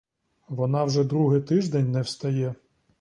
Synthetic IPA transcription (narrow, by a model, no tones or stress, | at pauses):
ʋɔnɑwʒɛd̪ɾuɦɪt̪ɪʒd̪ɛnʲnɛwst̪ɐjɛ